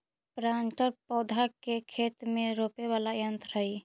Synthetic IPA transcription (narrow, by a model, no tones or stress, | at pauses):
pɾaɳʈəɾpɔd̪ʱakekʰet̪meɾopeβalajənt̪ɾəi